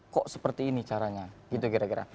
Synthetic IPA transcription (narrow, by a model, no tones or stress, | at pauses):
kɔʔsəpərt̪iːnit͡ʃaɾaɲaɡit̪uɡiɾaɡiɾa̰